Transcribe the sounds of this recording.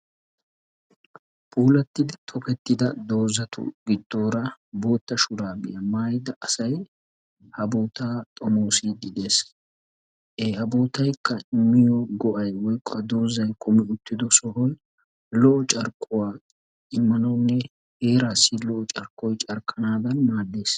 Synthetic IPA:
pʰuːlɐt̪ːɪd̪ɪt̪ʰɔpɛt̪ːɪd̪ɐd̪o̞ːzɐt̪ʰʊ̰ɡɪd̪ːo̞ːɾɐbo̞ːt̪ːɐʃʊɾaːɡɪjɐmaːjɪd̪ɐʔɐsɐj | hɐboːt̪aːt̪ʼɔmoːsɪɡ̪ɪd̪es | ʔeːhɐbo̞ːt̪ɐjkːɐɪmːɪjɔɡɔʔɐjwɔjkʼːɐd̪o̞ːzɐjkʊmɛʊt̪ːɪd̪ɔsɔɦɔj | lɔʔɔt͡ʃʼɐɾkʼːʊwaː | ɪmːɐnɐwnːɛ | he̞ːɾaːsːɪlɔʔɔt͡ʃʼɐɾkʼːɔjt͡ʃʼɐɾkʰːɐnaːd̪ɐnmaːd̪ːe̞ːs

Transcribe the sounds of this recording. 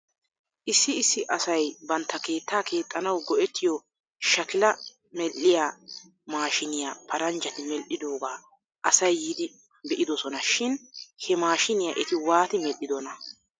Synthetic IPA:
ʔɪsːɪːsːɪʔɐsɐjbɐnt̪ʰːɐke̞ːt̪ːaːkʰe̞ːt̪ʼːɐnɐwɡɔʔɛt̪ːɪjɔ | ʃɐkɪlɐ | mɛlʔːɪjaː | maːʃɪnɪjapʰɐɾɐnd͡ʒɐt̪ɪmɛlʔɪd̪oːɡaː | ʔɐsɐjːiːd̪ɪ | bɛʔɪd̪ɔsɔnɐʃɪnhɛmaːʃɪnɪjaʔɛt̪ɪwaːt̪ɪmɛlʔɪd̪ɔnɐ

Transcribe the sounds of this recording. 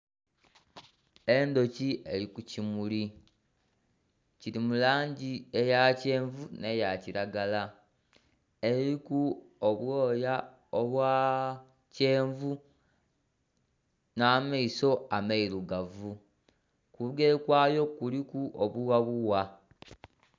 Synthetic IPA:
e̞ndo̞cieɾikucimuli | ciɾimulaːɲɟiejace̞ːɱvune̞jaciɾaɡala | eɾikuoβwoːja | oβwaː | ce̞ːɱvu | naːmaiso̞amaiɾuɡavu | kuɡekwaːjo̞kulikuʔoβuwaβuwa

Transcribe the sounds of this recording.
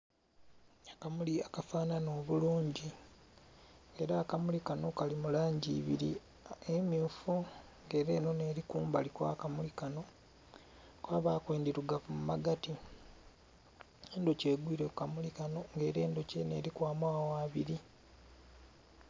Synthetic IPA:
akamuliakafaːnano̞ːβuluːɲɟi | e̞ɾaːkamulikano̞kalimulaːɲɟḭːβḭɾi | emjuːfu | ŋɡe̞ːɾe̞ːno̞ne̞ːɾikuːmbalikwa̰ːkamulikano̞ | kwaːβaːkwe̞ːndiɾuɡafumumaɡati | endoce̞ːɡwiːɾekamulikanoŋɡe̞ːɾe̞ːndo̞ce̞ne̞ːɾikwaːmwaːwaːβiɾi

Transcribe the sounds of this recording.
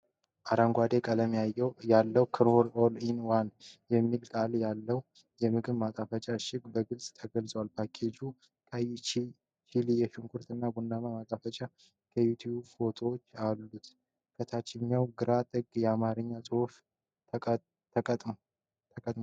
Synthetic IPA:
ʔaɾaŋɡʷad̪ekʼələmijajːɛwjalːəwkʰɾoɾolinwanjɛmːilkʼaljalːəw | jɛmɨɡɨβmat̪ʼafət͡ʃʼaʃɪkʼbəɡɨlsʼt̪ʰəɡəlsʼəwalpʰakʰed͡ʒu | kʰʼajɪt͡ʃ | t͡ʃilijɛʃɨŋkʰuɾt̪ɨnːabunːamamat̪ʼafət͡ʃʼa | kʰəjut̪ʰjubfo̞t̪ʰowot͡ʃːalːut̪ | kʰət̪ʰat͡ʃːɪɲːawɡɨɾat̪ʼɨɡjɛamaɾɨɲːasʼɨho̞ʃ | t̪ʼ | t̪ʰəkʼət̪ʼm

